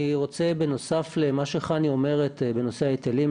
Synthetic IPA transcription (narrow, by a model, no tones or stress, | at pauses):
iʁo̞t͡se̞be̞no̞saflemaʃeχanio̞me̞ʁetbe̞no̞seaet̪elim